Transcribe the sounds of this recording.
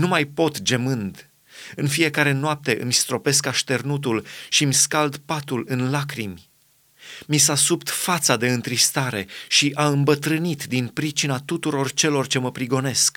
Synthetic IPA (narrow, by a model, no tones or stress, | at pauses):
numajpo̞t̪d͡ʒe̞mɨnd̪ | ɨnfije̞kaɾe̞noap̚t̪e̞ʔɨ̰mʲst̪ɾo̞pe̞skaʃt̪e̞rnut̪̬ulʃimʲskald̪pat̪ulɨnlakɾimʲ | misasupt̪fat̪sad̪e̞ɨnt̪ɾist̪aɾe̞ʃiʔaɨmbət̪ɾɨnit̪d̪inpɾit͡ʃinat̪ut̪uɾo̞rt͡ʃe̞lo̞rt͡ʃe̞məpɾiɡo̞ne̞sk